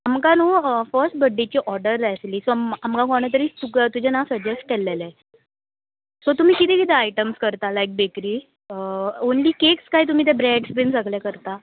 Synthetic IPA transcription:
amkanuːfəɾsʈ̚bəɖːit͡ɕiːʔɔɾɖəɾːasliːsoamkãkɔɳ̃ət̪əɾiːt̪ukt̪ud͡ʑɛnasəd͡ʑesʈ̚kɛlːelɛ | sɔt̪um̤iːkit̪ɛ̃kit̪ɛajʈəmskəɾt̪alajk̚bekɾiː | onliːkekskaɦiːt̪um̤iːt̪̬ɛ̃bɾɛɖspinsəɡljakəɾt̪a

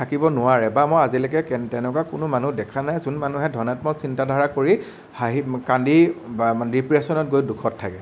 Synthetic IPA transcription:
tʰakibɔnʊwaɹɛbamojazilɛkɛkɛtɛnɛkwakʊnʊmanudɛkʰanajzunmanuɦɛdʱɔnatmɔtsintadʱaɹakoɹi | haɦikandi | ɹipɹiesɔnɔt̚ɡojdukʰɔtʰːakɛ

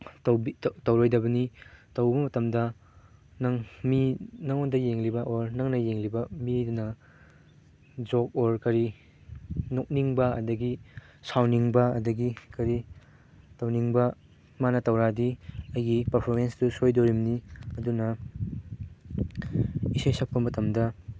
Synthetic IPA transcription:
twbitɐwɾojdɐbɐnitɐwbɐmɐtɐmdɐ | nɐŋminɐŋondɐjeŋlibɐʔoɾnɐŋnɐjeŋlibɐmidnɐ | d͡ʒok̚oɾkɐɾi | nok̚niŋbɐɐ̰dɐɡisawniŋbɐɐ̰dɐɡikɐɾi | tɐwniŋbɐ | manɐtɐwɾadiɐjɡipɐɾpʰoɾmenstusojdoɾimniɐdunɐ | isojsɐp̚pɐmɐtɐmdɐ

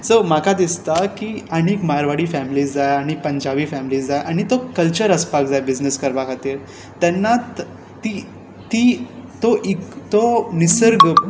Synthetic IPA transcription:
səmakʰad̪ist̪akiəñikmaɾʋaɽiːfɛmiliːsd͡zajaɽ̃ipəɲd͡ʑaʋiːfɛmiliːsd͡zajʔaɽ̃it̪okəlt͡ɕəɾəspak̚d͡zajbid͡ʑnəskəɾʋakʰat̪iːɾ | t̪ɛnːat̪ː | i | t̪iːt̪oʔikt̪onisəɾɡ

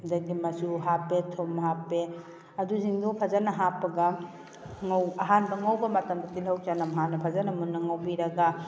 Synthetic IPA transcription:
daɡimɐsuɦapːetʰomɦapːe | ɐduziŋdopʰazanɐɦapːɐɡa | ŋawɐɦanbɐŋawbɐmɐtɐmdɐtilɦawt͡ʃanɐmɦanːɐpʰazanɐmunːɐŋawbiɾɐɡa

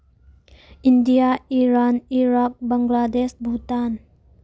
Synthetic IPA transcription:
indijaiɾaniɾak̚bəŋɡlad̪esbʱut̪an

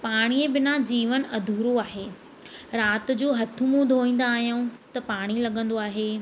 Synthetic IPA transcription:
paːɽ̃iebɪnad͡ʑiːʋənɐd̪ʱuːɾoaːɦeː | ɾaːt̪̆d͡ʑoːɦɐt̪ʰʊmũd̪ʱoːĩːn̆d̪aːɦijõt̪ɐpaːɽ̃ilɐɠə̃nd̪oaːɦeː

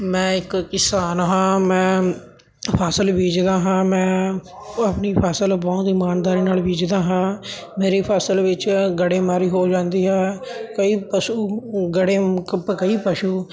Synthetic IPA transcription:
mɛ̃ːɪkkɪsaːnɦãːmɛ̃ː | pʰaːsəlbiːd͡ʒd̪aːɦãːmɛ̃ː | apniːpʰaːsəlbaːt̪ɪmaːnd̪aːɾiːnaːlbʱiːd͡ʒd̪aːɦãːmeːɾeːpʰaːsəlʋɪt͡ʃɡəɽeːmaːɾiːɦoːd͡ʒãːnd̪iːɦɛːkəiːpəʃuːɡəɽeːkəpkəiːpəʃuː

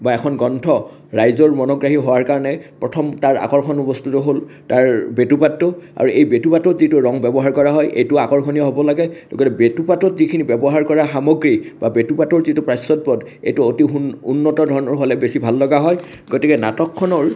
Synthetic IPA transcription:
baɛkʰɔnɡɔntʰɔ | ɹajzɔɹmɔnɔɡɹaɦiɦowaɹkaɹɔnɛpɹɔtʰɔmtaɹa̰kɔɹkʰɔnupɔstʰutɔɦoltaɹbetupatːʊa̰ɹuʔejbetupatɔtzitʊɹɔŋbɛbɔɦaɹkɔɹaɦɔjʔḛjtʊakɔɹkʰɔnijɔɦobɔlaɡɛlo̰ɡɔtɛbetupatɔtzikʰinibɛbɔɦaɹkɔɹaxamɔɡɹib̥abetupatɔɹzitupɹajsɔt̚pɔd | ḛjtʊotiṵnːɔtɔdʱɔɹɔnɔɹɦolɛbesibʱalːɔɡaɦɔj | ɡotikɛna̰tɔkʰːɔnɔɹ

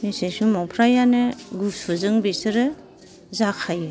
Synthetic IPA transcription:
misesumɔpʰɾajanɯɡusɯzɯŋbisɯɾɯ | zakʰajɯ

